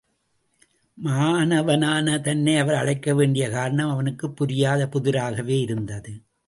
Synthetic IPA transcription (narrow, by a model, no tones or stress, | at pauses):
maːnɐʋɐnaːnɐt̪ɐnːɐɪɐʋɐɾɐɻɐɪkːɐʋeːɳɖɪjɐkaːɾɐɳɐmɐʋɐnɯkːɯpːʊɾɪjaːðɐpʊðɪɾaːɣɐʋeːɪɾɯnd̪ɐðɯ